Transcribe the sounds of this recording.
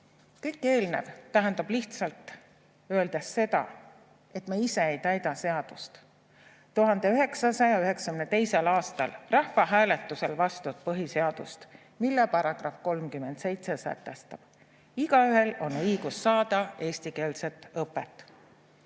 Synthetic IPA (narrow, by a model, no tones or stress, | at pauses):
kɯjkːˑe̞ːlnḛvt̪æɦend̪̥ɑbliht̪sɑlt̪ˑ | øe̞ld̪̥esːe̞d̪̥ɑ̰ | e̞t̪mɑise̞ejt̪æjd̪̥ɑse̞ɑd̪̥ust̪ | t̪uɦɑnd̪̥e̞yɦe̞ksɑsɑjɑyɦe̞ksɑkynet̪e̞jselɑːst̪ɑ̰lrɑhfɑɦæːle̞t̪ːˑuse̞lvɑst̪ut̪̚pɤɦise̞ɑd̪̥ṵst̪ | milːepɑɾɑɡ̥rɑfko̞lmkyme̞nd̪se̞jt̪se̞sæ̰t̪ːˑest̪ɑb̥ | iɡɑyɦe̞lo̞nɤjɡ̥usːɑːd̪̥ɑe̞ːsʲt̪ike̞ːlse̞t̪ːˑɤpːˑet̪ːˑ